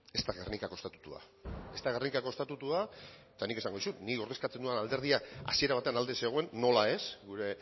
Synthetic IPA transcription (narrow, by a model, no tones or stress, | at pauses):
e̞st̪aɣernikako̞st̪at̪u̥t̪ua̰ | e̞st̪aɣernikako̞st̪at̪ut̪ua | t̪anikeaŋɡoisut̪niko̞ɾðeskat͡se̞nd̪uenald̪e̞ɾðiaka̰sie̞ɾaβat̪e̞anald̪e̞se̞ɣ̞oe̞nːo̞lae̞sɡuɾe̞